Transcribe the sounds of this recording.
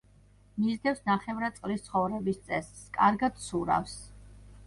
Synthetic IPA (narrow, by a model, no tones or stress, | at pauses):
mizɡ̪ɛfsnaχɛvɾat̪sʼqʼlist̪sʰχɔvɾɛbist̪sʼɛsːkʼaɾɡad̪̥suɾa̰fs